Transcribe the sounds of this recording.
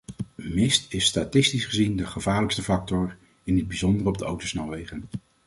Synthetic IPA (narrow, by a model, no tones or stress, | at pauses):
mɪstɪsːtatɪstisχəzindəχəvaːɹləkstəvɑk̚tɔr | ɪnəd̚bizɔndərɔb̚dəowtosnawʋejχən